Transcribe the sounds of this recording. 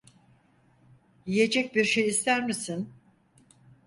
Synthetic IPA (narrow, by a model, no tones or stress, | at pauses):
jije̞d͡ʒɛc̚biɾʃejist̪ʰæɾmisin